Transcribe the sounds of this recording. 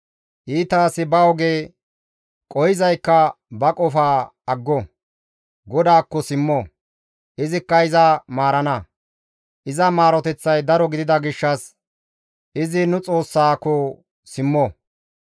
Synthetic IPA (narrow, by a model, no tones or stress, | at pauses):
ʔiːt̪aːsɪbɐwɔɡeː | kʼɔjɪzɐjkːɐ | bɐkʼɔfaːɐɡːɔ | ɡɔd̪aːkːɔsɪmːɔ | ʔɪzɪkːɐɪzɐmaːɾɐnɐ | ʔɪzɐmaːɾɔt̪ɛt͡sːɐjd̪ɐɾɔɡɪd̪ɪd̪ɐɡɪʃːɐs | ʔɪzɪnʊt͡sʼo̞ːsːaːkːɔ | sɪmːɔ